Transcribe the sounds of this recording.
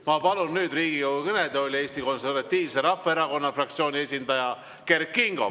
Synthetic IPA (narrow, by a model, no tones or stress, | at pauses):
mɑpɑlunnyːd̪riːɡ̥ijuwukɤned̪̥eolʲie̞ːst̪iko̞nse̞rvɑt̪ʲːiːvseɾɑfːɑeɾɑko̞nːɑfrɑk̚t̪sioːnʲie̞sʲind̪ɑjɑ | kerkːiŋɡ̥o̞̰